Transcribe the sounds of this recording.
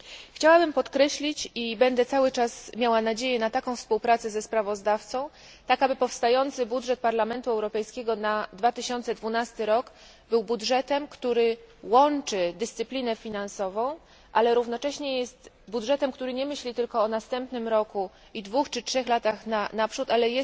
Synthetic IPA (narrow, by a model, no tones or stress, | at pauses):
xt͡ɕawabɘmpɔt̪kɾɛɕlʲit͡ɕibɛnd̪ɛt̪sawɘt͡ʂasmʲjawanad͡ʑejɛnat̪akɔ̃w̃fspuwpɾat̪sɛzɛspɾavɔzd̪aft̪sɔ̃w̃ | t̪akabɘpɔfst̪ajɔnt̪sɘbudʐɛt̪̚paɾlamɛnt̪uɛwɾɔpɛjskʲeɡɔnad̪vat̪ɘɕɔnt̪sɛd̪vunast̪ɘɾɔɡ | bɘwbudʐɛt̪ɛmkt̪uɾɘ | wɔnt͡ʂɘd̪ɘst̪sɘplʲinɛfʲinansɔvɔ̃w̃ | ʔalɛɾuvnɔt͡ʂɛɕɲɛjɛst̪ | budʐɛt̪ɛmkt̪uɾɘɲɛmɘɕlʲit̪ɘlkɔːnast̪ɛmpnɘmɾɔku | id̪vuxt͡ʂɘtʂɛxlat̪axnanapʂut̪alɛjɛ